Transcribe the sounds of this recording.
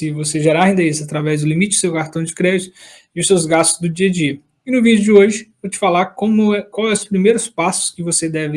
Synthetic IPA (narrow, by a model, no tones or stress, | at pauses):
sɪvoseʒeɾaĩd̪eesat̪ɾavɛzd̪ʊlimit͡ʃɪd̪ʊ̥sewkaɾt̪ɐ̃d͡ʒɪkɾɛd͡ʒɪt̪ʊ | iʊsewzɡast̪ʊzd̪ʊd͡ʒiɐd͡ʒiɐ | ɪnʊvid͡ʒʊd͡ʒɪoʒɪvot͡ʃɪ̥falaɾkõmʊɛkwawɛʊspɾimejɾʊspasʊ̥skɪvosed̪ɛvɪ